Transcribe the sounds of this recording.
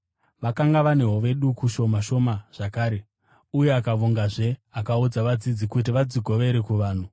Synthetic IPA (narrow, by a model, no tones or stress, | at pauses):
ʋakaŋɡaʋane̞ɦoʋe̞ɗukuʃo̞maʃo̞maʐ̥akaːɾe̞ | uje̞akaʋoŋɡaʐe̞akaud͡zaʋad͡zid͡zikutiʋad͡ziɡʱo̞ʋe̞ɾekuʋaːn̤u